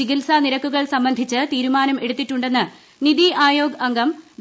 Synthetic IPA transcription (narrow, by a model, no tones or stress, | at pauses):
iɡilsaniɾɐkːuɣɐɭsɐmbɐnd̪ʱit͡ɕːɨt̪iːɾumaːnɐme̞ɽut̪ːiʈːuɳɖe̞nːɨ | niðiʔaːjo̞ːɡɐɐŋɡɐmd̪